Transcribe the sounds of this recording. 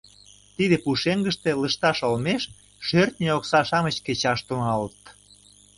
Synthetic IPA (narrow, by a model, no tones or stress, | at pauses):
t̪iðepuʃeŋɡəʃt̪e̽ləʃt̪ɑʃolmeʃ | ʃørt̪̚nʲeoksɑʃɑmət͡ɕket͡ɕɑʃt̪uŋɑlət̪